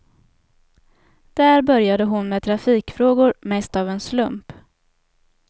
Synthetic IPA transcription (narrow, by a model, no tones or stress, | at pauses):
d̪̥æːɾbœɾjad̪əɦʊnmeːt̪ʰɾafiːkfɾoːɡʊɾmɛst̪avɛnslɵmp